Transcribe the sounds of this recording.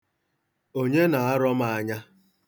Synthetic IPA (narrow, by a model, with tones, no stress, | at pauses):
o˦ɲe˦na˨a˦ɾɔ˦m̩˦a˨a˦ɲa˦